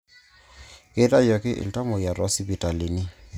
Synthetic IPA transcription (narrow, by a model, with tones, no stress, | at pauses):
ke˦ta˦jɔ˨kɪ˦ʔɪ̰˨lta˦mɔ˨ja˨ɾɔ˦si˦bi˨ta˨li˨ni˦